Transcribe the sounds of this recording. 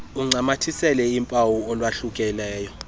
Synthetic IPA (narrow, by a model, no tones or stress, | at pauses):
uŋ͡ǀamatʰisɛlɛimpʼawuɔlwaɬukʼɛlɛːjɔ